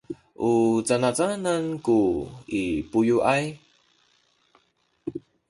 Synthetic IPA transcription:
ʔut͡sanat͡sanankuipujuʔaj

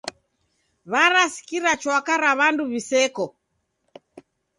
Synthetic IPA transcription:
βaɾasi̥kiɾat͡ʃwakaɾaβanduβisɛkɔ

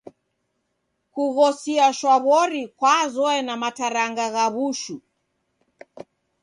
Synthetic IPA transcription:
kuɣɔsiaʃwaβɔɾikwazɔɛnamataɾaŋɡaɣaβuʃu

